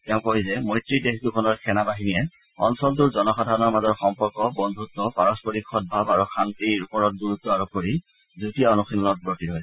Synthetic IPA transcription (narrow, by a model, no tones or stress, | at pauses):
tɛʊ̃koɦizɛmɔjtɹidexdukʰɔnɔɹkʰɛnabaɦinijɛ | ɔ̰nsɔlt̬uɹzɔnɔxadʱanɔɹmazɔɹxɔmpɔɹkɔbɔndʱutːɔpaɹɔspɔɹikxɔt̚bʱabaɹuxʰantiɹupɔɹɔt̚ɡuɹutːɔaɹɔp̚koɹi | zutijaɔnuxilɔnɔt̚bɹotiɹɔj